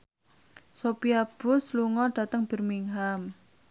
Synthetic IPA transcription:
sopiab̥ʊsluŋɔɖ̥ä̤t̪əŋb̥ə̤rmiŋɦam

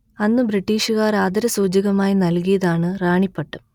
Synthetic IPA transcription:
ɐnːɨbriʈːiːʂuɣaːraːd̪ɐɾɐsuːd͡ʑiɣɐmaːjinɐlkijɐðaːɳɨraːɳipːeʈːɐm

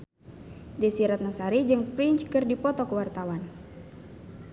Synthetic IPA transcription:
disiɾat̪̚nasaɾid͡ʒɨŋpɾiɲt͡ʃkɨrdipɔt̪ɔkəwart̪awan

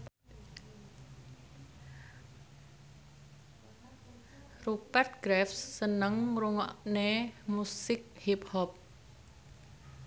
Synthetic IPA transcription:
rupɛrt̪̚ɡ̥ɾɛfsːənəŋɾuŋɔ̰ʔnemusɪk̚hiphɔp̚

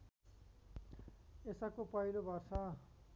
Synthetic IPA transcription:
esakopʌilobʱʌrsa

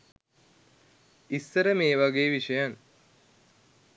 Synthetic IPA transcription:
isːəɾəmeːʋaɡeːʋiʂəjan

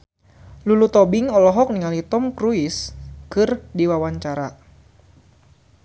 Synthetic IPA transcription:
lulut̪ɔbɪŋɔlɔɦɔk̚niŋalit̪ɔmkɾuɪskɨrdiwawaɲt͡ʃaɾa

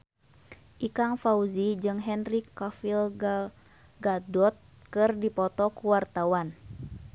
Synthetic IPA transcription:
ʔikaŋfauzid͡ʒɨŋɦɛnrikːafil | ɡadɔt̪̚ | kɨrdipɔt̪ɔkuwart̪awan

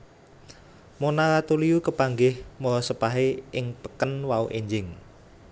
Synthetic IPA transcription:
monaɾat̪uliukəpaŋɡɪhmolɔsəpaɦeɪŋpə̥kənwauʔeɲd͡ʒɪŋ

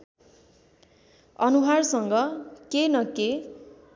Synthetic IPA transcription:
ʌnuɦarsʌŋɡʌkenʌke

